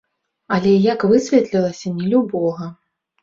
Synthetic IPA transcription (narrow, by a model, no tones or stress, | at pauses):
ɐlʲɛjakvɨsʲvʲɛt̪lʲilˠɐsʲɐnʲɛlʲubɔɣɐ